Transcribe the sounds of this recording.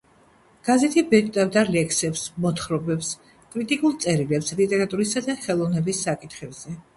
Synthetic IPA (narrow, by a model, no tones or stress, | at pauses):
ɡ̥azɛt̪ʰibɛt̪ʼt̪ʼavd̪alɛksɛpsmɔt̪ʰχɾɔbɛps | kʼɾit̪ʼikʼulˠt̪sʼɛɾilɛpslit̪ʼɛɾat̪ʼuɾisad̪aχɛlˠɔvnɛbisːakʼit̪ʰχɛbz̥ɛ